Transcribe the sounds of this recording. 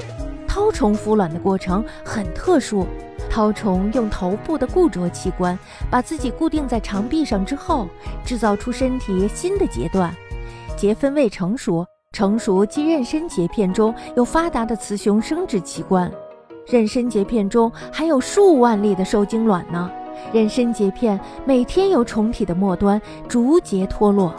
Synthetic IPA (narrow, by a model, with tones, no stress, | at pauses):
t̪ʰɑ˥ʊʈ͡ʂʰʊ˧˥ŋfu˧˥lwa˨˩nd̪ə˦kwɔ˥˩ʈ͡ʂʰɤ˧˥ŋxə˨˩nt̪ʰɤ˥˧ʂu˥˩ | t̪ʰɑ˥ʊʈ͡ʂʰʊ˧˥ŋjʊ˥˩ŋt̪ʰo˧˥ʊpu˥˩d̪ə˩ku˥˩t͡swɔ˧˥t͡ɕʰi˧˥kwa˥n | pa˨˩t͡sɹ̩˥˩t͡ɕi˨˩ku˥˧t̪i˥˧ŋt͡sa˥˩ɪʈ͡ʂʰɑ˧˥ŋpi˥˧ʂɑ˥˩ŋʈ͡ʂɻ̩˥xo˥˩ʊʈ͡ʂɻ̩˥˧t͡sɑ˥˩ʊʈ͡ʂʰu˥ʂə˥nt̪ʰi˨˩˧ɕi˥nd̪ə˨t͡ɕjɛ̰˧˥t̪wa˥˩nt͡ɕjɛ˧˥fə˥nwe˥˩ɪʈ͡ʂʰɤ˧˥ŋʂu˧˥ | ʈ͡ʂʰɤ˧˥ŋʂu˧˥t͡ɕi˥˧ɻə˥˩nʂə˥nt͡ɕjɛ˧˥pʰjɛ˥˩nʈ͡ʂʊ˥ŋjo˥˩ʊfa˥t̪a˧˥d̪ə˧t͡sʰɹ̩˧˥ɕʊ˧˥ŋʂɤ˥ŋʈ͡ʂɻ̩˥˩t͡ɕʰi˧˥kwa˥n | ɻə˥˩nʂə˥nt͡ɕjɛ˧˥pʰjɛ˥˩nʈ͡ʂʊ˥ŋ | xa˧˥ɪjo˨˩ʊʂu˥˧wa˥˧nli˥˩d̪ə˩ʂo˥˩ʊt͡ɕi˥ŋlwa˨˩nnə˦ | ɻə˥˩nʂə˥nt͡ɕjɛ˧˥pʰjɛ˥˩n | me˨˩ɪt̪ʰjɛ˥njo˨˧˩ʊʈ͡ʂʰʊ˧˥ŋt̪ʰi˨˩d̪ə˦mwɔ˥˩t̪wa˥n | ʈ͡ʂu˧˥t͡ɕjɛ˧˥t̪ʰwɔ˥lwɔ˥˩